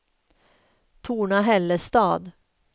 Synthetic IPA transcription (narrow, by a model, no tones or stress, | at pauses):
t̪ʰuːɳaɦɛlːəst̪ɑːd̪